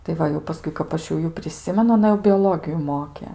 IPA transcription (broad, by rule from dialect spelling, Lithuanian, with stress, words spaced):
tɐɪ ˈʋɐ jɛʊ pɐˈskʊɪ kɐp ˈɐʃ jɛʊ ˈjuː pʲrʲɪˈsʲɪmʲɛnʊ ɐˈnɐ jɛʊ bʲoːˈlˠoːɡʲɪjʊ ˈmoːkʲɛ